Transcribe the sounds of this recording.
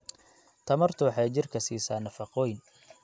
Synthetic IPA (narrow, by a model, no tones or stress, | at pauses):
t̪ʰɐmɐrt̪ʰʊwħɑjt͡ʃɪrkʰɐsiːsaːnːɐfɑqɔːjn